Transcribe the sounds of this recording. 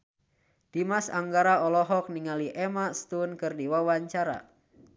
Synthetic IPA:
d̥imasaŋɡaɾaɔlɔɦɔk̚niŋaliʔɛmast̪unkɨrdiwawaɲt͡ʃaɾa̰

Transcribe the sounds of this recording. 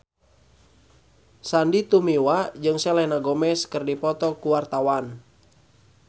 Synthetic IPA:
sandit̪umiwad͡ʒɨŋsɛlɛnaɡɔmɛskərdipɔt̪ɔkuwart̪awan

